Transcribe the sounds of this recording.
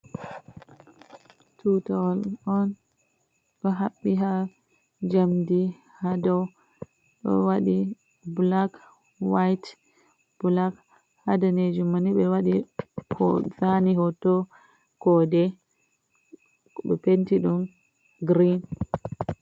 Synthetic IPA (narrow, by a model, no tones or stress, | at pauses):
tutawalɔn | ɓɛɦaɓːiɦa | d͡ʒamdi | hadɔw | ɓɛ̰waɗi | blak | wajt | b̥ulak | hadɔned͡ʒumaniɓɛwaɗikɔ̰zaniɦɔtɔ | kɔdɛ | bɛ̰pentiɗum | ɡɾin